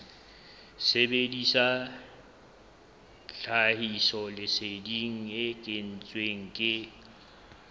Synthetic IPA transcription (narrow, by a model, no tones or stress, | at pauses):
sebedisa | ɬahisɔlɪsediŋ̩ɪkʼɪn̩t͡sʼweŋ̩kʼɪ